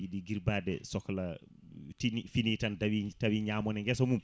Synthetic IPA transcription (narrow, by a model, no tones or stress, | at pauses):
iɗiɡiɾbaːdɛsɔkːɔla | tinfinitandawitawiɲaːmɔnɛŋɡɛsɔmum